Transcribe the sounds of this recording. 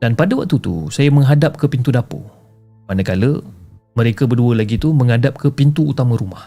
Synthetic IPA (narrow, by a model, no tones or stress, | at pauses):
d̥anpadəwak̚t̪ut̪ṵsajamə̃ŋɦadap̚kəpint̪udapo̰ | manəkaləmə̃ɾekəbərduəlaɡit̪umə̃ŋɦadap̚kəpint̪uːt̪amə̃ɾumah